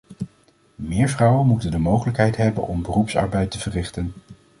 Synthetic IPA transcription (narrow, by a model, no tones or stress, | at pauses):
mɪːɹvrɑwənmutəndəmowχələkɦɛjtɦɛbə̰nɔmbərupsɑ̰ɹbɛjtəvərɪχtən